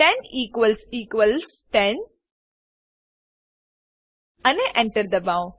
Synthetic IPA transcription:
ʈɛ̃niːkʋəlsiːkʋəls | ʈɛ̃n | ɐneʔɛ̃ɳʈəɾd̪ɐbãw

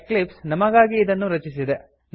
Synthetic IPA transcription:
klipsnɐmɐɡaːɡiːd̪ɐnːuɾɐt͡ʃisid̪e | n

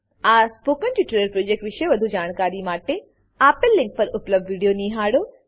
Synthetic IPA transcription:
aːspoːkənd͡ʑoːʈɾɪɾəɾpɾoːd͡ʒeːk̚ʈʋɪʃeʋɐd̪ʱud͡ʑaːɽ̃kaːɾimaːʈe | aːpɪlːɪ̃ŋk̚pɐɾʊpləb̚dʋiːɖijonĩːɦaːɽoː

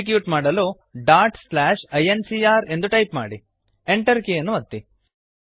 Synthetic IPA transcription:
ik̬juːʈmaːɽɐloː | ɖaːɾʈslaːʃɐjensiːaːɾe̞nd̪uʈɐjpmaːɽi | eɳʈɐɾkeːjɐnːuʋɐt̪ːi

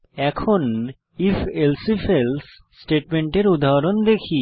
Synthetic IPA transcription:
ɛkʰon | ifelsifʰelsː | ʈeʈmeɳʈeɾud̪aɾond̪ekʰi

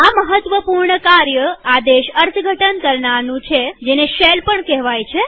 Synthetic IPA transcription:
aməɦət̪ʋəpuɾɳəkaɾjəad̪eʃəɾt̪ʰɡʱəʈənkəɾɳanũt͡ʃʰed͡ʒeneʃelpəɳkɛɦʋajt͡ʃʰe

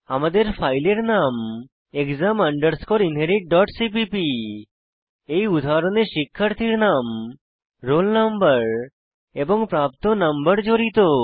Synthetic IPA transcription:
amad̪eɾpʰajleɾnam | ekzaməɳɖəɾskɔɾinɦeɾiʈ̚ɖɔʈsipipi | ejud̪ʱaɾɔneʃikʰːəɾt̪ʰiɾnam | ɾolnəmbəɾ | ebɔŋpɾap̚t̪ɔnəmbəɾd͡ʒoɾit̪o

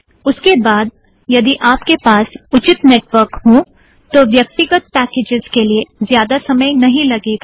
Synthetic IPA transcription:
ʊskebaːd̪̚ | jɐd̪iʔaːpkepaːsʊt͡ʃɪt̪neːʈʋəɾkɦõː | t̪oʋjɐk̚t̪ɪɡət̪̚pɛːkeːd͡ʒɪz̥keliezjaːd̪asɐməjnɐɦĩlɐɡeːɡaː

